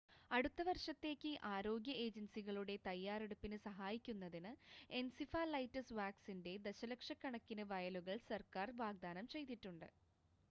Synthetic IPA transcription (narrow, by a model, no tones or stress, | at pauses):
ɐɽut̪ːɐʋɐrʂɐt̪ːe̞ːkʲːɨʔaːɾo̞ːɡʲjɐeːd͡ʑɐnsiɣɐɭuɽe̞t̪ɐjːaːreɽupːinɨsɐɦaːjikʲːunːɐðinɨe̞nsifaːlɐjtːɐsʋaːksinde̞d̪eɕɐlɐkʂɐkːɐɳɐkːinɨʋɐjɐluɣɐɭsɐrkaːrʋaːɡ̚d̪aːnɐmt͡ɕe̞jt̪iʈːuɳɖɨ